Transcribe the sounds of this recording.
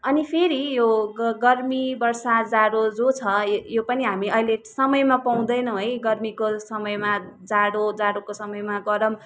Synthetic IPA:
ʌnipʰeɾijoɡʌrmibʌrsad͡zaɽod͡zot͡sʰʌjopʌniɦamiʌjlesʌmʌjmapaw̃d̪ʌjnʌ̃ɦʌjɡʌrmikosʌmʌjmad͡zaɽod͡zaɽokosʌmʌjmaɡʌɾʌm

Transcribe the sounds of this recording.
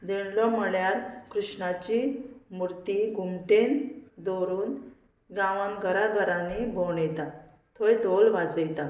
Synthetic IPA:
d̪eɳlɔm̤əɭjaɾkɾuʂɳat͡ɕimuɾt̪iɡumʈend̪oɾuːn | ɡãʋamɡəɾaɡəɾãnebʱoɳjet̪a | t̪ʰojd̪olʋad͡zəjt̪a

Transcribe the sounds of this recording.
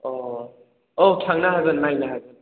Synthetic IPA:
ɔ | okʰaŋnaɦaɡɯnmajnaɦaɡɯn

